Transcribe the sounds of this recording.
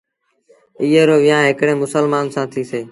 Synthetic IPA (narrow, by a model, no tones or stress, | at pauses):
iːɦeːɾoːʋɪːãːɦɪkɽẽːmʊsəlmaːnsãːt̪ʰiːseː